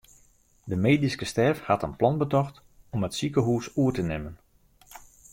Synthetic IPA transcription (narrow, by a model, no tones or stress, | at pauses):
dəmeːdiskəstɛrfhatənplɑnbətɔxt | ɔmətsikəɦuːsuətənɪmən